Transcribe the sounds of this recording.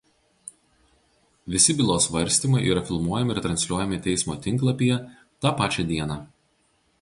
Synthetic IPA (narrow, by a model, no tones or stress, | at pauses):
ʋʲɪsʲɪbʲɪlˠoːsʋɐɾʲsʲt̪ʲiːmɐɪʔiːɾɐfʲɪlˠmuɔjɛmʲɪɪɾt̪ɾɐnʲsʲlʲuɔjɛmʲɪt̪ʲɛɪsmoːt̪ʲɪŋˑklˠɐpʲijɛ | t̪ɑːpɑːt͡ʃʲɛd̪ʲiɛnɑː